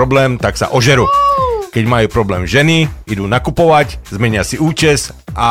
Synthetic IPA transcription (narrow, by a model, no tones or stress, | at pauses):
ɾɔblɛːmt̪aksa̰ʔɔʒɛɾuːkɛɟmajuːpɾɔblɛːmʒɛniid̪uːnakupɔʋaczmɛɲɪasiuːt͡ʃɛzʔa